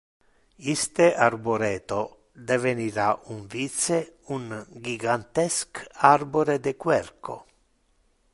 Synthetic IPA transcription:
ist̪eʔarboɾɛːt̪o | d̪eveniɾaʔuɱvit̪seuŋɡiɡant̪ɛskarboɾed̪ekwɛrkʰo̰

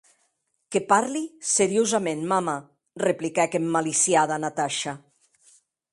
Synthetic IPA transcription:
kepaɾliseɾiozamenmama | replikɛkemːalisjaðanat̪aʃa

